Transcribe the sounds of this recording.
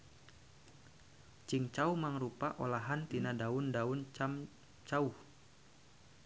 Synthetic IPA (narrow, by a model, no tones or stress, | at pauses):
t͡ʃiŋt͡ʃaumaŋɾupaʔolaɦant̪inadaundaunt͡ʃam | t͡ʃauh